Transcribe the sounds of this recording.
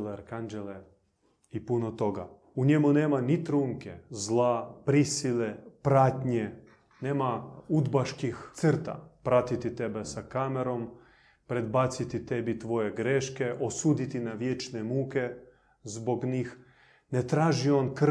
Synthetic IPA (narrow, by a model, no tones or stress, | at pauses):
leɾkand͡ʒele | ipunot̪o̞ɡa | uɲemuneːmanit̪ɾuŋkezlˠaːpɾisilepɾat̪ɲe | neːmaud̪baʃkixsərt̪a̰pɾat̪it̪it̪ebesakameɾo̞m | pɾe̞d̪bat̪sit̪it̪ebit̪ʋo̞jeɡɾeʃkeʔosuːd̪it̪inaʋjet͡ʃnemuːke | zboɡɲiːx | net̪ɾaːʒio̞nk